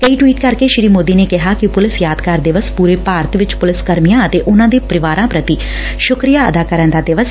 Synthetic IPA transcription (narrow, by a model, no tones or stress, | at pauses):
kəiːʈwiːʈkɐɾkeʃɪɾiːmoːd̪iːneːkɪɦaːkɪpʊlɪsjaːd̪kəɾd̪ɪʋəspuːɾeːpaːɾt̪ʋɪt͡ʃpʊlɪskəɾmijãːət̪eːʔʊnãːd̪eːpɾɪʋaːɾãːpɾət̪i | ʃʊkɾijaːə̰d̪aːkəɾənd̪aːd̪ɪʋəs